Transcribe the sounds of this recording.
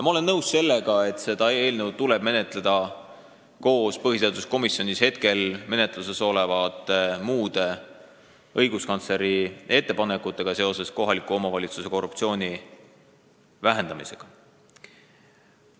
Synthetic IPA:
mɑo̞le̞nːɤwsse̞lːe̞ɡ̥ɑe̞t̪ˑse̞d̪̥ɑe̞ːlnəwt̪ule̞b̥̚me̞ne̞t̪ˑled̪̥ɑ | ko̞ːspɤɦhiseɑd̪usko̞misjo̞nʲishe̞t̪ke̞lme̞ne̞t̪ːˑlus̬e̞so̞levɑt̪ːˑmuːd̪̥e̞ | ɤjɡ̥uskɑnt̪sle̞ɾie̞t̪ːe̞pɑne̞kːˑut̪ːˑe̞ɡ̥ɑse̞o̞se̞sko̞ɦɑlikːˑuo̞mɑvɑlʲit̪suse̞ko̞rupt̪sio̞ːnʲi | væɦe̞nd̪̥ɑmise̞ɡ̥ɑ

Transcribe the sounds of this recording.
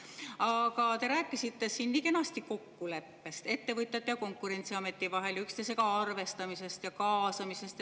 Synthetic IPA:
ɑkɑt̪e̞ɾæːkːˑisit̪ːe̞siːnːiːke̞nɑst̪iko̞kːule̞pːe̞st̪e̞t̪ːe̞vɤt̪ˑjɑt̪ːˑjɑko̞ŋkːˑuɾe̞nʲt̪siɑme̞t̪ːˑivɑɦe̞ljykst̪es̬e̞kɑɑrve̞st̪ɑmise̞st̪jɑkɑːsɑmise̞st̪

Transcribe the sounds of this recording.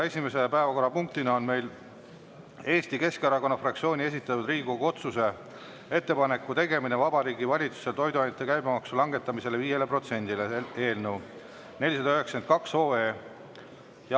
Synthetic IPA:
e̞sʲime̞se̞pæe̞vɑko̞rːɑpuŋk̚t̪inɑo̞nme̞jl | e̞ːst̪ike̞skɑɾɑko̞nːɑfrɑk̚t̪sio̞ːnʲie̞s̬ʲit̪ːˑɑt̪ːud̪riːɡuɡo̞t̪suse̞ | e̞t̪ːe̞pɑne̞kːˑut̪e̞ɡe̞mine̞vɑbɑɾiːɡivɑlʲit̪su̥se̞lt̪o̞jd̪uɑnɑt̪ːˑekæjbemɑksulɑŋɡe̞t̪ːˑɑmise̞le̞viːje̞le̞pro̞t̪se̞nʲd̪ilee̞ːlnəw | ne̞lʲis̬ɑd̪ɑøɦeksent̪̚kɑkso̞ːeː | j

